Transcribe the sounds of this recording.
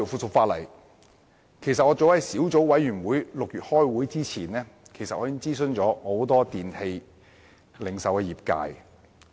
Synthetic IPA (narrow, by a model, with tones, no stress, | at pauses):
o˨wfuː˧tsʊ˨˧k̚faː˧t̚lɐ̰˨˩j | kʰe˨˩jsɐ˨t̚ŋɔː˨˧t͡so˨˥whɐ˨˥jsiː˨˥wt͡so˨˥wwɐ˨˥jyː˨˩nwuː˨˥jlʊ˨k̚jyː˨t̚hɔː˥jwuː˨˥jt͡siː˥t͡sʰiː˨˩nɛː˥kʰe˨˩jsɐ˨t̚ɔː˨˧˥ji˥ŋt͡siː˥s̬ɵ˧ŋt͡sɔː˨˥ho˨˥wt̪ɔː˥t̪iː˨nhe˧j | lɪ˨ŋsɐ˨wkɛː˧jiː˨˩p̚ka̰ː˧j